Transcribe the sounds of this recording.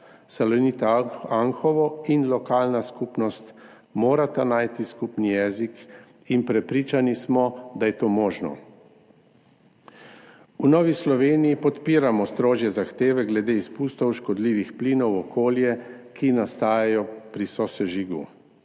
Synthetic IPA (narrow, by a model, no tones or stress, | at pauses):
salɔnit̪aŋxɔʋɔinlɔkaːlnaskupnɔst̪ | moːɾat̪anaːjt̪iskupnijɛzik | inpɾɛpɾiːt͡ʃanismɔd̪ajɛt̪oːmɔːʒnɔ̰ | unɔːʋislɔʋeːnijipɔt̪piːɾamɔst̪ɾoːʒjɛzaxt̪eːʋɛɡlɛd̪eispust̪ɔwʃkɔd̪liːʋixpliːnɔwɔkoːljɛkʰinast̪aːjajɔpɾisɔsɛʒiɡṵ